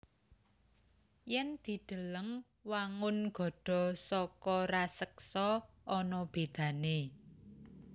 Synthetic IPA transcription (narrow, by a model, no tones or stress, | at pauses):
jɛnd̪̥i̤d̪̥ə̤ləŋ | waŋʊnɡ̥ɔ̤ɖ̥ɔ̤sɔkɔrasəksɔ | ɔnɔb̥e̤d̪̥ä̤ne